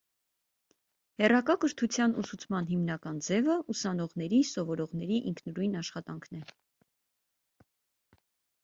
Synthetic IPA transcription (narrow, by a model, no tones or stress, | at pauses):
hɛrɑkɑkəɾt̪ʰut͡sʰjɑnusut͡sʰmɑnɦimnɑkɑnd͡zɛvəusɑnɔʁnɛɾisɔvɔɾɔʁn̪ɛɾiʔiŋkʰnɾujnɑʃχɑt̪ɑŋkʰnɛ